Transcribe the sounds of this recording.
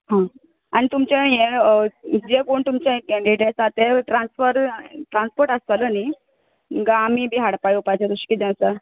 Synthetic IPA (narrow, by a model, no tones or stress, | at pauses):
ɦã | añit̪umt͡ɕẽjẽ | d͡ʑekuɳt̪umt͡ɕãkɛ̃ɳɖiʈesat̪eʈɾãnsfəɾʈɾãnspoɾʈast̪aləni | ɡamibʱiːɦaɽpajupajt͡ɕaɾuɕkid͡ʑãnsa